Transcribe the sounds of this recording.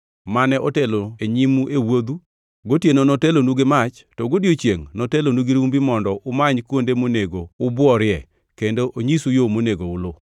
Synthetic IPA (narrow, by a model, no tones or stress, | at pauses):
manɛʔoteloeɲimuʔewod̪u | ɡotjenonɔtelonuɡemat͡ʃ | tɔɡodjot͡ʃjeŋnɔtelonuɡiɾumbimɔndɔʔʊmaɲkwondemoneɡoʊbwɔɾɪɛ | kendoʔoɲisujomoneɡoʊlo